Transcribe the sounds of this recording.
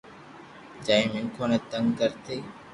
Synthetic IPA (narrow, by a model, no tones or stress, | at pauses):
d͡ʒaːĩmɪŋkʰoːnet̪əŋɡkəɾt̪eː